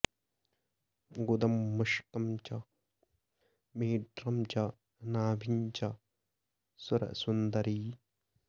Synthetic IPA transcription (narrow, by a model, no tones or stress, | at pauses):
ɡud̪ɐmːɐʃkɐmt͡ʃɐ | meːɖɾɐmt͡ʃɐ | naːbʱiɲt͡ʃɐ | sʊɾɐ̰sund̪ɐɾiː